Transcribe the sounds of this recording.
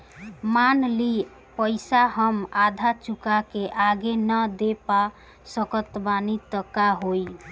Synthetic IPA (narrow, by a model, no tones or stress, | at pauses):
manli | pəɪsaɦəmad̪ʱat͡ʃukakeʔaɡenəd̪epa | səkət̪banit̪əkːaɦoj